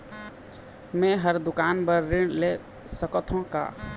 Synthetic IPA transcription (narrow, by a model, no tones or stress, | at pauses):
mẽɦəɾd̪ʊkaːnbəɾːɪɽle | səkət̪ʰõka̰ː